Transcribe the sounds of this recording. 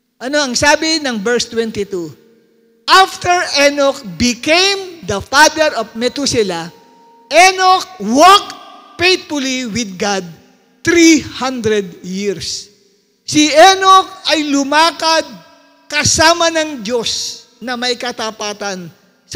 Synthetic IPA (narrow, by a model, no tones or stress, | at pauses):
ʔɐno̞ɐŋsaːbɪnɐŋbɛɹst̪wɛ̃nt̪ɪt̪u | ʔaft̪ɛɹʔɛnok̚bɪkẽjmd̪ɐfad̪ɛɾofmɛt̪usɪla | ʔɛnok̚wok̚fejt̪̚fʊliwɪd̪̚ɡad̪̚ | t̪ɾihãnd̪ɾɛd̪̚jiɹs | sɪʔɛnok̚ɐjlʊmaːkɐd̪̚ | kɐsaːmɐnɐŋd͡ʒo̞s | nɐmɐjkɐt̪ɐpaːt̪ɐn | s